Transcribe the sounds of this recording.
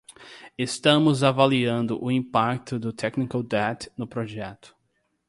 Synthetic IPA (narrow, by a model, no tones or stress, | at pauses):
est̪ɐ̃mʊzavaliɐ̃nd̪ʊʔʊĩpakt̪ʊd̪ʊt̪ʰɛknikawd̪ɛt̪nʊpɾoʒɛt̪ʊ̥